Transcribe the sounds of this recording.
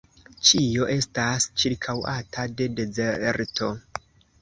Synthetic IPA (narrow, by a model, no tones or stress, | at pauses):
t͡ʃio̞ʔe̞stast͡ʃiɾkʰawatʰade̞de̞zeɾtʰo̞